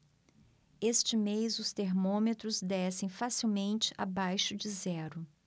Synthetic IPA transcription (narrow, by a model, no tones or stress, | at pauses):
est͡ʃɪmejzʊst̪eɾmõmet̪ɾʊzd̪ɛsẽj̃fasiwmẽnt͡ʃɪ̥ʔa̰bajʃʊd͡ʒɪzɛɾʊ